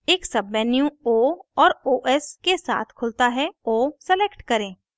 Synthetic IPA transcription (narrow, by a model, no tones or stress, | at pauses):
eːksɐbːɛnjũoɔːɾoːʔɛskesa̰ːt̪ʰkʰʊlt̪aɦɛoːsɛleːkʈkɐɾẽː